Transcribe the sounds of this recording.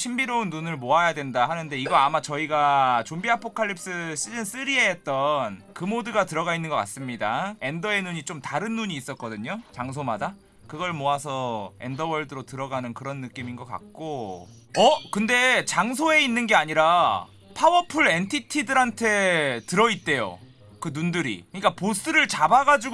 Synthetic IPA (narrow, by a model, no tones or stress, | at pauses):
ɕʰimbiɾounːunɯɭmoajadwe̞ndaɦanɯnde̞iɡʌamat͡ɕʌiɡat͡ɕombiɦapʰokʰaɭʎːip̚s͈ɯɕ͈id͡ʑɯns͈ɯɾiɦeet̚t͈ʌnkɯmodɯɡatɯɾʌɡainːɯnɡʌk͈a̰s͈ɯmɲidae̞ndʌe̞nuɲit͡ɕ͈omtaɾɯnːuɲiːs͈ʌt̚k͈ʌdɯɲot͡ɕaŋs̬ʰomada | kɯɡʌɭmoasʰʌe̞̰ndʌwʌɭdɯɾotɯɾʌɡanɯnkɯɾʌnːɯk͈iminɡʌk͈a̰k̚k͈o | ʌkɯnde̞t͡ɕaŋsʰoe̞inːɯnɡe̞aɲiɾa | pʰawʌpʰuɾe̞ntʰitʰidɯɾɦantʰe̞tɯɾʌit̚t͈e̞jo̰ | kɯnundɯɾḭkɯɲik͈apos͈ɯɾɯɭt͡ɕabaɡad͡ʑuɡ